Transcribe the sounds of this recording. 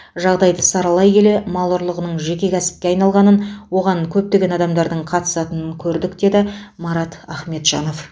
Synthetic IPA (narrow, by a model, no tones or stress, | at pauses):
ʒɑʁd̪ɑjd̪əsɑɾɑlˠɑjkʲe̞le̞mɑlˠʊɾlˠəʁənəɴʒe̞kʲe̞kʲʰæsɪ̥p̚kʲe̞ɑjnɑlˠʁɑnənwo̞ʁɑŋkʲʰɵp̚t̪e̞ɡʲe̞nɑd̪ɑmd̪ɑɾd̪əɴqʰɑt̪ə̥sɑt̪ənəŋkʲʰɵɾd̪ɪkd̪e̞d̪ɪmɑɾɑt̪æχme̞t̪ʒ̥ɑ̰no̞f